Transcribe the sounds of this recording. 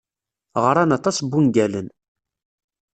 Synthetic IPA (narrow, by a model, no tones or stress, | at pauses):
ʁəɾˤanɑt̪ˤɑsbːunɡælən